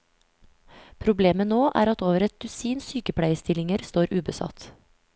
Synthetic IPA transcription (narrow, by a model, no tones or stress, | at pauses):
pʰɾʊbleːmənoːʔæ̰ːɾɑt̪oːʋəɾɛt̪̚d̪̥ʉsiːnsyːkəpʰɽæɪəst̪ɪlɪŋəɾst̪oːɾʉːbəsɑ̰t̪